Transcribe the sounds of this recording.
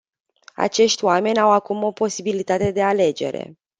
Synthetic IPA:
a̰t͡ʃe̞ʃt̪ʲoame̞nʲawakumo̞po̞sibilit̪at̪e̞d̪e̞ale̞d͡ʒe̞̰ɾe̞̰

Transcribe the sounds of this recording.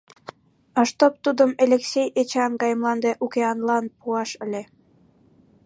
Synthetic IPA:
ɑʃt̪op̚t̪ud̪əmelʲeksʲejet͡ɕɑŋɡɑjmlɑnd̪eʔukeɑnlɑnpuɑʃə̆lʲe

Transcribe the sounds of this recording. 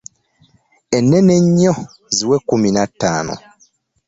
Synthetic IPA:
enːene̞ɲːo | ziwekːuminatːaːno̰

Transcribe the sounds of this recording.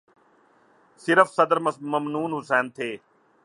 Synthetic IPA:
sɪɾəfsɐd̪əɾmməmnuːnɦʊsɛːnt̪ʰeː

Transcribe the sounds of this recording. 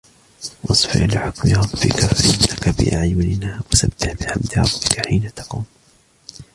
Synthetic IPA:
wʔɑsˤfɪ̰ɾʔlɪħʊkmɪɾˤɑbːɪ̰kafaʔɪnːakabɪ̰ʔa̰ʕjʊnɪnaːwasab̚d̪ɪħbɪħamd̪ɪɾˤɑ̰bːɪkaħiːnat̪ɑ̥quːm

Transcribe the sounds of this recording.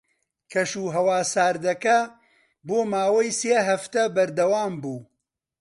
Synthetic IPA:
kʰɐʃuːɦɐwaːsaːɾd̪ɐkɐ | boːmaːwɐjseːɦɐft̪ɐbɐɾd̪ɐwaːmbuː

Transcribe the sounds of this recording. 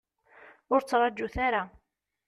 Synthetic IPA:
ʊɾt͡sːʁˤɑd͡ʒːuθaɾa

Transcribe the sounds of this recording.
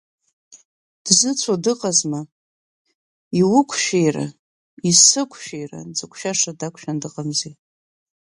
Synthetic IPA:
d̥zɨt͡sʷʰadɨqʼazma | iwʊkʷʰʃᶣejra̰ | isɨkʷʰʃᶣejra̰d͡zɨkʷʰʼʃaʂadakʷʰʼʃᶣandɨqʼamze

